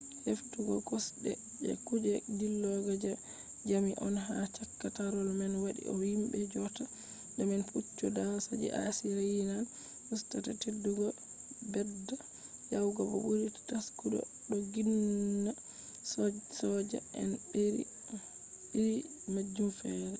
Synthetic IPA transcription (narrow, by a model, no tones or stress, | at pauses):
heftuɡɔɡɔsɗɛ | d͡ʒɛ̰kud͡ʒɛd͡ʒilːɔɡad͡ʒa | d͡ʒamiʔɔnɦat͡ʃakːataɾɔlmanwaɗḭʔɔhimbɛd͡ʒɔta | dɛmɛnfut͡ʃːɔdawasad͡ʒḭʔa̰siɾajinan | ʔustatatedːuɡɔ | bɛda | jawɡabɔ̰buɾittaskuɗɔ̰ | ɗɔɡinːa | ssɔd͡ʒa̰ɛ̰nbeɾḭ | iɾi | mad͡ʒːumfɛːɾɛ